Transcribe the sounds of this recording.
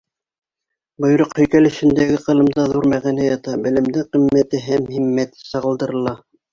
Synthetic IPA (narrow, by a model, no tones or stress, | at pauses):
bŏj̆ɾoqhɵ̆jkælɘ̆ʃɘ̆nd̪æɡɘqɤ̆lˠɤ̆md̪ɑðuɾmæʁænæjɑt̪ɑbɘ̆lɘ̆md̪ɘqimːæt̪ɘɦæmhimːæt̪ɘ̥sɑʁɤ̆lˠd̪ɤ̆ɾɤ̆lˠɑ